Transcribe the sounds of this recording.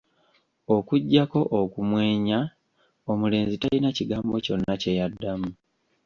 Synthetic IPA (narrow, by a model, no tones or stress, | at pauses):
o̞kuɟːako̞ʔokumwe̞ːɲa | omule̞ːnzitalinaciɡaːmbo̞co̞nːace̞jadːamu